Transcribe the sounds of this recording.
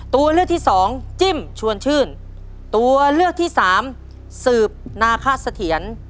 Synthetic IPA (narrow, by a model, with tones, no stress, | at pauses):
t̪u˧ɐlɯ˥˩k̪̚ʰiː˥˩sɔː˩˦ŋt͡ɕi˥˩mt͡ɕʰu˧ənt͡ɕʰɯː˥˩n | t̪u˧ɐlɯ˥˩ək̚t̪ʰiː˥˩saː˩˦m | sɯː˨˩p̚naː˧kʰa˦˥˩sa˧t̪ʰi˩˦ən